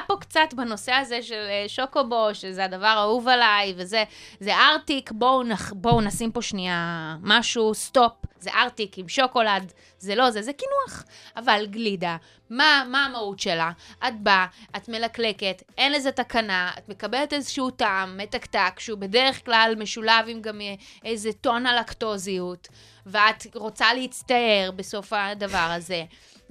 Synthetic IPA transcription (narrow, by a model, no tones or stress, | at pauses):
apo̞kt͡satbano̞se̞azeʃelʃokobo̞ʃezeadavaʁauvalajve̞zezeʔaʁtikbo̞naχbo̞unasimpo̞ʃniamaʃust̪o̞p̚zeʔaʁtikimʃoko̞lad | zelo̞zezekinuaχavalɡlida | mamaːmautʃe̞laʔat̚baatme̞lakle̞ke̞t | enleze̞takanaa̰tme̞kabeletezeʃiutaːmːetaktakʃeube̞de̞ʁeχklalme̞ʃulavimɡamejzeto̞nalakto̞ziut | veat̪ʁo̞t͡salehit͡st̪ae̞ʁbe̞so̞fadavaʁaze̞